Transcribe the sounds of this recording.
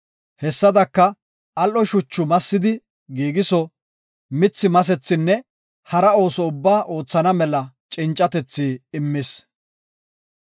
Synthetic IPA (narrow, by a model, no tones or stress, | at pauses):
hɛsːɐd̪ɐkːɐ | ɐlʔɔʃʊt͡ʃːʊmɐsːɪd̪ɪ | ɡiːɡɪsɔ | mɪt͡sːɪmɐs̬ɛt͡sːɪnːɛ | hɐɾɐo̞ːsɔʊbːaːʔo̞ːt͡sːɐnɐmɛlɐt͡ʃʼɪnt͡ʃʼːɐt̪ɛt͡sːiːɪmːɪs